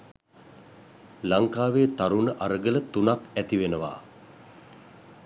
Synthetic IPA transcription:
laŋkaːʋeːt̪aɾunəʔaɾəɡələt̪unakæt̪iʋenəʋa̰ː

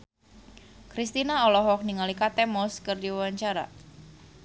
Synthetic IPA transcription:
kɾist̪inaɔlɔɦɔk̚niŋalikat̪ɛmɔskɨrdiawaɲt͡ʃaɾa̰

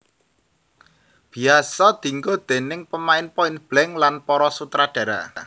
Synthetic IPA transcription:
b̥i̤asɔd̪̥i̤ŋɡod̪̥e̤nɪŋpəmaɪnpɔɪnb̥lɛŋlanpɔɾɔsut̪ɾaɖ̥ä̤ɾa̰

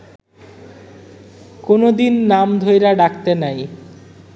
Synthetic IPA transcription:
konod̪inːamd̪ʱojɾaɖakt̪enaj

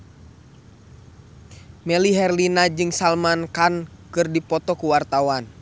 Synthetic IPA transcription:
mɛliɦɛrlinad͡ʒɨŋsalmankankɨrdipɔt̪ɔkuwart̪awan

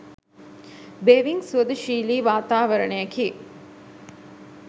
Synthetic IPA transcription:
beːʋiŋsuəd̪uʃiːliːʋaːt̪aːʋɐɾənejɐkiː

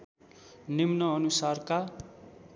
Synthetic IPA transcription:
nimnʌʌnusarka

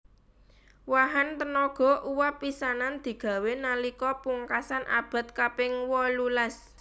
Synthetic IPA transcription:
waɦant̪ənɔɡ̥ɔ̤ʔuwapisanand̪̥i̤ɡ̥ä̤wenalikɔpuŋkasanʔa̰b̥a̤t̪̚kapɪŋwɔlulas

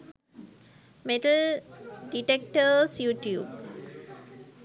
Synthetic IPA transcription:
meʈəlɖiʈek̚ʈəsjuːʈjuːb

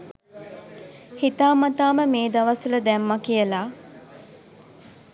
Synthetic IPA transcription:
hit̪aːmɐt̪aːməmeːd̪ɐʋɐsuləd̪ɛmːɐkijəlaː

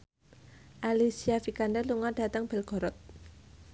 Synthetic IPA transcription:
ʔalisiafikandaluŋaɖ̥a̤t̪əŋb̥ɛlɡ̥ɔ̤ɾɔt̪̚

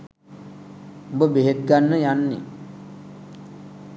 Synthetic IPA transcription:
ubəbeɦet̪̚ɡanːəjanːḭ

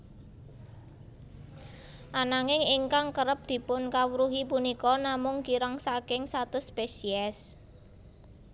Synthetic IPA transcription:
ʔanaŋɪŋiŋkaŋkəɾəp̚d̪̥i̤pʊnkawɾuɦipunikɔnamʊŋkiɾəŋsakɪŋsat̪ʊspesiɛs

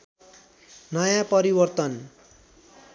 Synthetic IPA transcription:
nʌjãpʌɾibʌrt̪ʌn

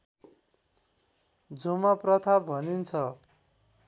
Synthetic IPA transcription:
d͡zumaprʌt̪ʰabʱʌnint͡sʰʌ

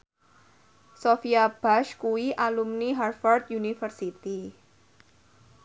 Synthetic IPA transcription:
sofiab̥aʃkuiʔalumniɦarfɔrt̪̚junifərsit̪i

